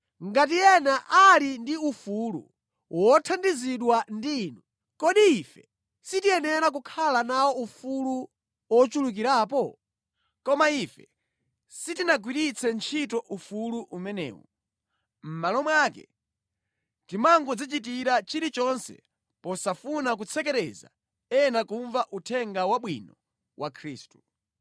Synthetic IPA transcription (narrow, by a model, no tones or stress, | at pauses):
ŋɡat̬ijɛnaʔalindiufulṵ | wɔtʰandiziɗwandiːnu | kɔɗiifɛ | sitiɛnɛɾak̬ukʰalanawɔufulu | wɔt͡ʃuluk̬iɾaːp̬ɔ | kɔmaifɛ | sitinaɡwiɾit͡sʰɛnt͡ʃʰit̬ɔʔufuluʔumɛnɛ̰ːwɔ̰ | m̩malɔmwakɛ̰ | timaŋɡɔd͡zit͡ʃit̬iɾat͡ʃiɾit͡ʃɔnsɛ̰ | pɔsafunak̬ut͡sʰɛkɛɾɛza̰ | ɛnakuɱvaʔutʰɛŋɡawaɓwinɔ | wʔakʰɾiːstu̥